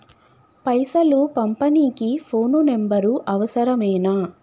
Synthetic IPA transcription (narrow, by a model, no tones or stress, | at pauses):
pɐjsɐlupɐmpɐniːkipʰo̞ːnunembɐɾuʔɐʋɐsɐɾɐmɛːnaː